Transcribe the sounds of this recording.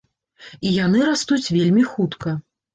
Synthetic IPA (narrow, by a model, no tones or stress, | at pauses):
ijan̪ɨɾast̪ut͡sʲvʲelʲmʲixut̪kɐ